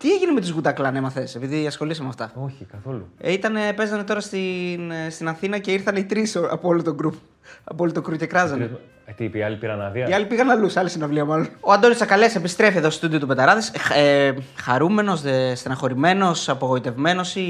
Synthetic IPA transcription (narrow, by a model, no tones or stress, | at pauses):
t̪ieʝineme̞t̪izɣut̪ɐklɐnemɐθese̞piðiɐsxo̞lisɐmemɐft̪ɐoçikɐθo̞lṵit̪ɐne̞pe̞zɐne̞t̪o̞ɾɐst̪inst̪inɐθinɐce̞iɾθɐneit̪ɾisoɐ̰poolot̪oɡɾup | ɐpoolot̪okɾuce̞kɾɐzɐn | t̪ipiɐlipiɣɐnɐðiɐiɐlipiɣɐnɐlusɐlesinɐvliɐmɐlono̞ɐnd̪o̞nisɐkɐlesepist̪ɾe̞fieðost̪ud̪io̞t̪uped̪ɐɾɐðisexɐɾume̞no̞sðest̪enɐxo̞ɾime̞no̞sɐpoɣo̞it̪e̞vme̞no̞si